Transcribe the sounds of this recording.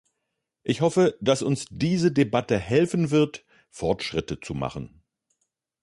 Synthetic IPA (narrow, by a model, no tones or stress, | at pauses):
ʔɪçhɔfəd̥asʊnsd̥iːzədebatəhɛlfn̩vɪɐt | fɔɐtʃʁ̥ɪtət͡suma̰χn̩